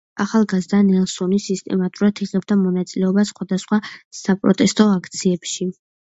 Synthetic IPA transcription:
aχalˠɡazd̪anɛlˠsɔnisist̪ʼɛ̰mat̪ʼuɾad̪ʰiʁɛb̚d̪ʰamɔnat̪sʼilɛɔbasχwad̪asχwasapʼɾɔt̪ʼɛst̪ʼɔakʰt̪sʰiɛpʃi

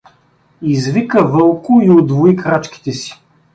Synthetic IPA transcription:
izvikəvɤlˠkʊiod̪voikɾat͡ʃki̥t̪ɛsi̥

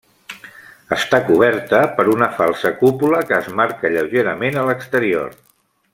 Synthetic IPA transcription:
əst̪akuβ̞ɛɾt̪əpəɾunəfalˠsəkupuləkəːzmaɾkəʎəwʒeɾəmenələkst̪əɾio̰r

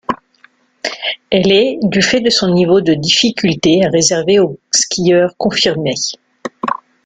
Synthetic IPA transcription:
ɛlɛd̪yfɛd̪əsɔ̃nivod̪əd̪ifikʲylt̪eaʁezɛʁveoskʲijœʁkɔ̃fiʁme

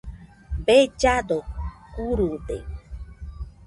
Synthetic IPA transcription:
bed͡ʒad̪okuɾud̪ḛ

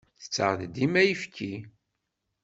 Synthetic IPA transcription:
θə̥t͡sːə̰ʁðd̪imæjəfkʰi

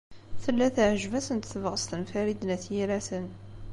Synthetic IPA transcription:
θəlːæθʕəʒvæsənt̪θəvʁəst̪ənfæɾid̪næθjiɾæsən

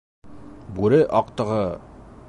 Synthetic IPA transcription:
buɾɘʔɑq̚t̪ɤ̆ʁɤ

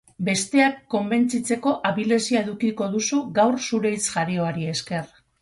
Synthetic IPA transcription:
be̞st̪e̞akːo̞mbe̞nt͡sit͡se̞ko̞ʔaβile̞siae̞ðukiko̞ðusuɡawɾsuɾe̞jt͡sʝaɾio̞aɾie̞ske̞r

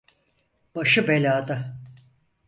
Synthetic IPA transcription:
b̥aʃɯbelʲaːd̪a

